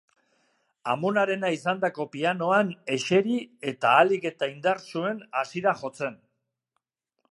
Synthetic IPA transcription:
a̰mo̞naɾe̞naisand̪ako̞piano̞ane̞ʃe̞ɾie̞t̪aːlike̞t̪aind̪aɾsue̞nasiɾaʝo̞t͡se̞n

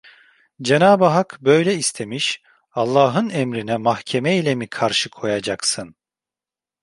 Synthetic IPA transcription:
d͡ʒenaːbaɦakbø̞jlʲɛist̪ʰemiʃ | ɑlˠːaːɦɯnɛmɾinɛmahcʰemɛilʲɛmikʰaɾʃɯkʰo̞jad͡ʒaksɯn

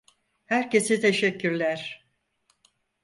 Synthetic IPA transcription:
hæɾce̞sɛt̪ʰeʃɛcʰːyɾlʲæɾ̥

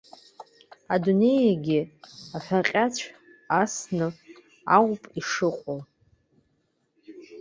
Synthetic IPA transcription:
adune̞jaɡʲiaħʷᶣaqʲʼat͡ɕʷʰ | asnɨ | a̰ʁʷpʼiʂɨqʷʼo

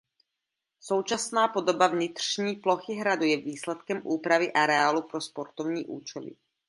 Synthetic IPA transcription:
so̞wt͡ʃasnaːpo̞do̞bavɲɪt̪r̥ɲiːplo̞xɪɦɾadujɛviːslɛt̪kɛmʔuːpɾavɪʔaɾɛalupɾo̞spo̞ɾt̪ovɲiːʔuːt͡ʃɛlɪ̰

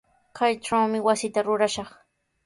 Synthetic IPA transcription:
kajʈ͡ʂawmɪwasɪt̪aɾʊɾaʃɑχ

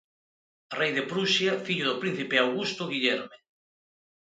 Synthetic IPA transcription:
rejðepɾuʃjafiʎoðopɾin̟θipeawɣust̪oɣiʎɛɾme

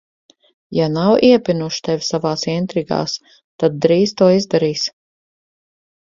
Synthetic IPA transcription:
janawiɛpʲinuʃt̪ɛvʲsavaːsint̪ɾiɡa̰ːs | t̪ad̪̚ːɾiːst̪uɔizd̪aɾiːs

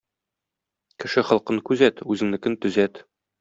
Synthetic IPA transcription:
kɘ̆ʃɘχɤ̆lˠqɤɴkʉzæt̪ʉzɘ̆ŋnɘ̆kɘnt̪ɵ̆zæt̪

